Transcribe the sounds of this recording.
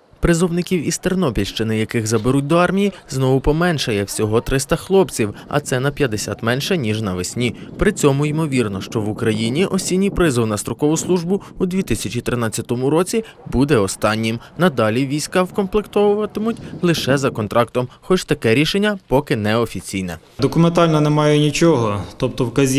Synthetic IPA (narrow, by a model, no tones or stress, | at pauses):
pɾɪzɔwnɪkʲiwist̪ernɔpʲilʲʃt͡ʃɪnɪjɐkɪɣzɐbeɾut̚ʲd̪ɔɑrmʲijiznɔʋʊpɔmɛnʃɐjɛwsʲɔɦɔt̪ɾɪst̪ɐxlˠɔpt͡sʲiwɐ̰t̪sɛnɐpʲjɐd̪esʲa̰t̪mɛnʃɛnʲiʒnɐʋesʲnʲipɾɪt͡sʲɔmʊimɔʋʲirnɔʃt͡ʃɔʋʊkɾɐjinʲiʔɔsʲinʲːijpɾɪzɪwnɐst̪ɾɔkɔʋʊslˠuʒbʊud̪ʲʋʲit̪ɪsʲɐt͡ʃʲit̪ɾɪnɑt͡sʲːɐt̪ɔmʊɾɔt͡sʲi | bud̪ɛɔst̪ɑnʲːimnɐd̪ɑlʲiʋʲijsʲkɑwkɔnplˠɪkt̪ɔʋʊʋɐt̪ɪmʊtʲlˠɪʃɛzɐkɔnt̪ɾʔɑk̚t̪ɔmxɔt͡ʃt̪ɐkɛɾʲiʃenʲːɐpɔkɪnɛɔfʲit͡sʲijnɛ̰ | d̪ɔkʊment̪ɑlʲnɐnɛmɑjɛnʲit͡ʃɔɦɔt̪ɔp̚t̪ɔwkɐzʲi